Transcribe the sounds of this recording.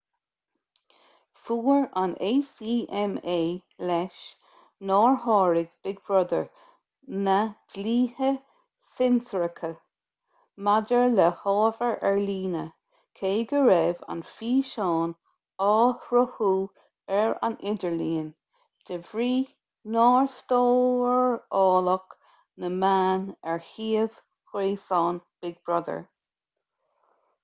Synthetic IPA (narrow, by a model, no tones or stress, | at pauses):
fuːɹanʔeːsiːʔɛmeːlɛʃ | nɑːɹhɑːɹɪɡb̥ɪɡ̚bɹɔd̪əɹ | nəd̥liːhə | sɪnsəɹəkʰə | madəɹləhɑːvəɹʔɛɹliːnə | kʰeːɡəɹɛva̰nfiːʃɔːn | ɑːhɹəhuː | ɛɹa̰nɪdəɹliːən | d̥əvɹiː | nɑːɹst̪oːəɹɑːlək | nəmaːnɛɹhiːəv̥ | kɾeːsɑːnb̥ɪɡ̚bɹɔd̪ə̰ɹ